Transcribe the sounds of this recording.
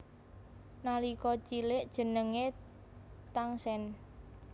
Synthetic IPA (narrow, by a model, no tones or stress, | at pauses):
nalikɔt͡ʃilɪʔd̥ʒ̥ə̤nəŋe | t̪aŋsɛn